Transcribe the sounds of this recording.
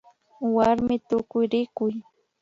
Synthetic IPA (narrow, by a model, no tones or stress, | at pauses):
waɾmɪt̪ʊkʊjɾɪkʊj